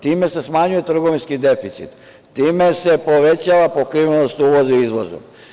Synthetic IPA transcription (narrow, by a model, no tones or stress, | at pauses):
t̪iːme̞sesmaɲuje̞t̪r̩ɡo̞ʋinskid̪e̞fit̪sḭt̪ | t̪iːmese̞po̞ʋet͡ɕaʋapokɾiʋenost̪uʋozuizʋo̰zṵ